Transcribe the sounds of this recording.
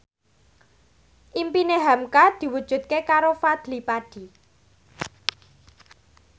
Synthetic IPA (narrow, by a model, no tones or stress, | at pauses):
ʔimpineɦamkad̪̥i̤wud̥ʒ̥ṳt̪̚kekaɾofad̪̥lipaɖ̥i̤